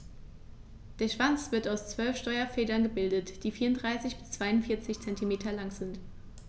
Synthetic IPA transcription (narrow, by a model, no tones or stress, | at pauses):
d̥eːɐʃv̥ant͡sv̥ɪɐtaʊst͡sv̥œlfʃtɔʏɐfɛːdɐnɡəbɪldətd̥iːfiːɐʊndʁaɪsɪçb̥ɪst͡sv̥aɪʊntfɪɐt͡sɪçt͡sɛntimeːtʰɐlaŋz̥ɪnt